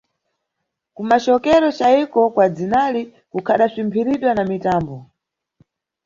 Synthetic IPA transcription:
kumat͡ʃɔkɛɾɔt͡ʃaikɔkwad͡zinali | kukʰaɗasimbʰiɾiɗwanamitaːmbɔ

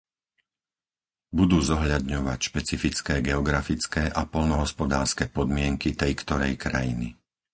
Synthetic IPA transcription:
bud̪uːzɔɦʎad̪ɲɔʋacʃpɛt͡sifit͡skɛːɡɛɔɡɾafit͡skɛːʔapɔʎnɔɦɔspɔd̪aːɾskɛːpɔd̪mɪɛŋkit̪ɛjkt̪ɔɾɛjkɾajini

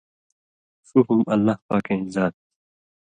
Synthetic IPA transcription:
suɦumɐlːahpaːkezaːt̪̚

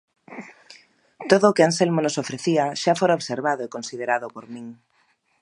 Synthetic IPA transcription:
t̪oðʊːkeanselmonosofɾeθiaʃafoɾaoβseɾβaðoekonsið̞eɾaðʊpoɾmĩŋ

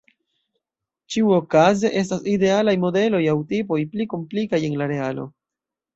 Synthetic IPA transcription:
t͡ʃiuo̞kaze̞ʔe̞s̬taside̞alajmo̞de̞lo̞jawtipo̞jpliko̞mplikaje̞nlaɾe̞alo̞̰

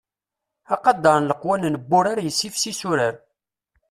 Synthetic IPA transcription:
ɑqɑd̪ːɑɾˤnləqwænnəbːʊɾaɾjəsːifsisuɾəɾ

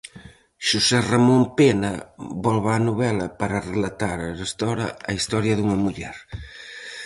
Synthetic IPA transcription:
ʃusɛramõmpenɐβɔlβanuβɛlɐpaɾarelat̪aɾɐrest̪ɔɾɐ̰ɐist̪ɔɾjɐðuŋɐmuʎɛɾ

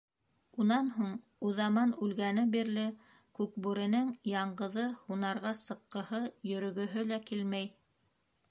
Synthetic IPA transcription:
unɑnɦuɴ | uðɑmɑnʉlɡænɘbiɾlɘ | kʉk̚bʉɾɘ̆nɘŋjɑɴɢɤ̆ðɤhunɑɾʁɑsɤ̆qːɤ̆hɤjɵ̆ɾɵ̆ɡɵ̆ɦɵlækilmæj

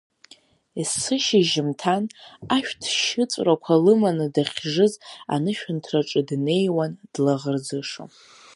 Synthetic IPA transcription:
isɨʃiʒɪmtʰanaʃᶣdʰʃɪt͡sʼrakʷʰalɨmanɨdaχʲʐɨza̰nɨʃᶣʊntʰraʈ͡ʂʼɨdne̞jwand̥laʁərd͡zɨʂo̰

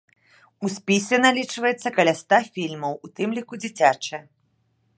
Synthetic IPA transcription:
usʲpʲisʲɛnalʲit͡ʂvɐjɛt̪sːɐkɐlʲast̪afʲilʲmɐwut̪ɨmlʲikud͡zʲit͡sʲat͡ʂɐjɐ

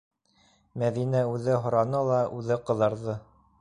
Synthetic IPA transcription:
mæðinæʉðɘɦŏɾɑnɤlˠɑʔʉðɘqɤ̆ðɑɾðɤ

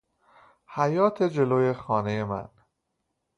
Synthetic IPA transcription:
hæjɒːt̪ʰed͡ʒe̞loːje̞xɒːnejemæ̰n

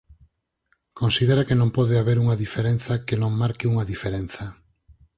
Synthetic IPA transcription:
kõnsiðeɾakenõmpɔðeaβeɾuŋɐðifeɾen̟θɐkenõŋmaɾkɪuŋɐðifeɾen̟θɐ

